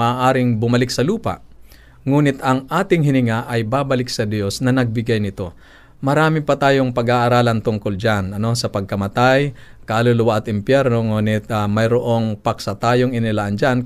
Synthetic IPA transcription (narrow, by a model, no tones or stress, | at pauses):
ɐaːʔaːɾɪŋbʊmɐlɪk̚sɐluːpɐ̰ʔ | ŋuːnɪt̪ɐŋʔaːt̪ɪŋɦɪnɪŋaʔɐjbaːbɐlɪksɐd̪jo̞snɐnɐɡ̚bɪɡajnɪt̪o̞ | mɐɾaːmɪpɐt̪aːjo̞ŋpɐɡaːʔɐɾaːlɐnt̪ʊŋkʊld͡ʒanɐno̞sɐpɐɡ̚kɐmɐt̪ajkɐɐlʊlʊwaʔɐt̪ɪmpjɛɾno̞ŋuːnɪt̪̚amɐjɾoʔo̞ŋpɐksɐt̪aːjoŋɪnɪlaʔɐnd͡ʒan